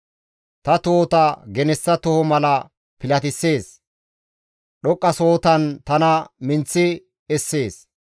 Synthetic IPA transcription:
t̪ɐt̪oːt̪ɐɡɛnɛsːɐt̪ɔhɔmɐlɐ | pɪlɐt̪ɪsːe̞ːs | ɗɔkʼːɐso̞ːt̪ɐnt̪ɐnɐmɪnt͡sːɪ | ɛsːe̞ːs

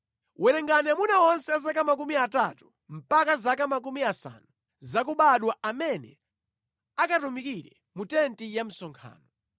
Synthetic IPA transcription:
wɛnɛŋɡanɛmunawɔnsɛazakamak̬umiatatu̥ | m̩pakazakamakumiasa̰nu | zak̬uɓaɗwaʔamɛnɛ̰ | akatumikiɾɛ | mutɛntijam̩sɔŋkʰa̰ːnɔ

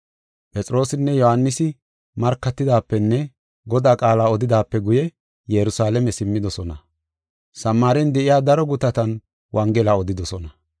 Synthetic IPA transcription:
pʼɛt͡sʼɾo̞ːsɪnːɛjɔhɐnːɪsɪ | mɐɾkːɐt̪ːɪd̪aːpːɛnːɛ | ɡɔd̪aːkʼaːlaːɔd̪ɪd̪aːpːɛɡʊjɛ | jɛɾʊsaːlɛmɛsɪmːɪd̪ɔsɔnɐ | sɐmːaːɾɛnd̪ɛʔɪjaːd̪ɐɾɔɡʊt̪ɐt̪ɐn | wʔɐŋɡɛlaːɔd̪ɪd̪ɔsɔnɐ

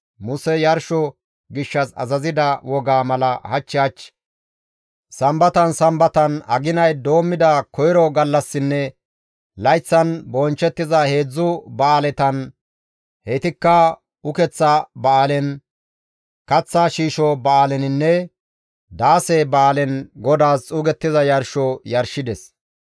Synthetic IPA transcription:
mʊsɛjɐɾʃɔ | ɡɪʃːɐsɐ̰zɐzɪd̪ɐwɔɡaːmɐlɐhɐt͡ʃːɪɐt͡ʃː | sɐmbɐt̪ɐnsɐmbɐt̪ɐnɐ̰ɡɪnɐjd̪o̞ːmːɪd̪ɐkɔjɾɔɡɐlːɐsːɪnːɛ | lɐjt͡sːɐnbɔnt͡ʃːɛt̪ːɪzɐhe̞ːd͡zːʊbɐaːlɛt̪ɐn | het̪ɪkːɐ | ʊkɛt͡sːɐbɐaːlɛn | kɐt͡sːaːʃiːʃɔbɐaːlɛnɪnːɛ | d̪aːsɛbɐːlɛnɡɔd̪aːst͡sʼuːɡɛt̪ːɪzɐjɐɾʃɔjɐɾʃɪd̪ɛs

